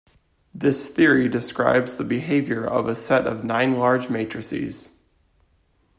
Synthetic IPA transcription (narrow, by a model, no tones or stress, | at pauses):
ðɪsθɪɹidɨskɹa̰ɪbzðəbɨɦeɪvjə˞ʔʌ̰vəsɛɾʌ̰vnãɪ̃nlɑɹd͡ʒmeɪt͡ʃɹ̥ɨsḭz̥